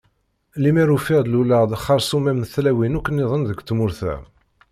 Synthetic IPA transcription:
limæɾufiʁd̪luləʁd̪χːɑɾˤsumæmnθlæwinukːənːɪðˤənðəɡt̪ːmʊɾθæ̰

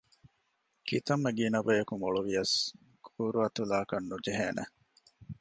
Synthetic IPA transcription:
kit̪ɐmːeɡiːnɐbejɐkumoɭuʋijɐs | kʰuːɾuɐt̪ulaːkɐnːud͡ʒeɦeːnʔḛ

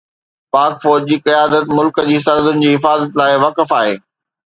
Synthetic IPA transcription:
paːkfɔːd͡ʑd͡ʑiːkɐjaːd̪ət̪mʊlkəd͡ʑiːsɐɾd̪ʊnɪ̆d͡ʑiːɦɪfaːzət̪laːɪʋɐkəfaːɦḛː

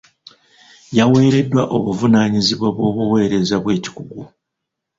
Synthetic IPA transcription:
jawe̞ːɾe̞dːwaʔo̞βuvunaːɲiziβoβwo̞ːβuwe̞ːɾe̞zaβwe̞ːci̥kuɡu

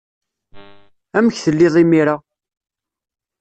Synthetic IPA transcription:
æməçθəlːɪðˤimiɾa

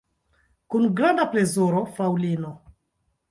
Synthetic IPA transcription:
kunɡɾandaplezuɾofawlino

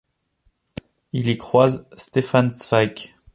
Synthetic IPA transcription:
ilikχwazst̪efansvakʲ

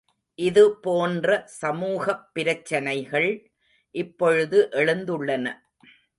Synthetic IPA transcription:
ʔɪðɯpoːndrɐsɐmuːɣɐpːɪɾɐt͡ʃːɐnɐɪɣɐɭ | ʔɪpːɔɻɯðɯʔɛɻɯnd̪ɯɭːɐnɐ

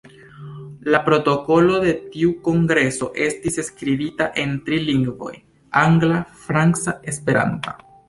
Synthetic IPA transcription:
lapɾo̞to̞ko̞lo̞de̞tiuko̞ŋɡɾe̞so̞ʔe̞stiseskɾibitaʔe̞ntɾiliŋɡvo̞̰j | aŋɡlafɾant͡sae̞spe̞ɾa̰ntḁ

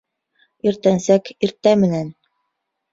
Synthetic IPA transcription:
iɾt̪ænsækiɾt̪æmɘ̆næn

